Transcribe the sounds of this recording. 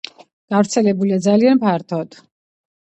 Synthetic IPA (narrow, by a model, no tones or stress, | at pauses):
ɡ̥avɾt̪sʰɛlɛbuliad̪zalianpʰaɾt̪ʰɔd̪̥